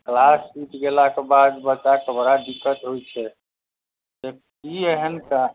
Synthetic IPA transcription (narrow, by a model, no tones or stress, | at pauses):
klasiʈɡelakebad̪bəːt͡ʃakebəɾad̪ikːət̪ɦojt͡ʃʰɛ | t̪e | kieɦənka